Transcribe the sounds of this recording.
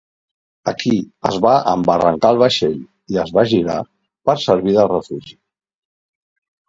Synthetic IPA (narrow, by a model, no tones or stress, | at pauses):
əkiə̰zβaʔə̰mbərə̰ŋkaəlˠβ̞əʃeʎ | iəzβaʒiɾa̰ | pəɾsəɾβ̞iðərəfuʒi